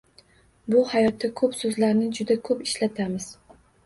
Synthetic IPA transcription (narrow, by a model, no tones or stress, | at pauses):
bʊhajɒt̪ʰːakʰɵpsɵzlaɾnɪd͡ʒʊd̪akʰɵpɪʃlat̪ʰamɪz̥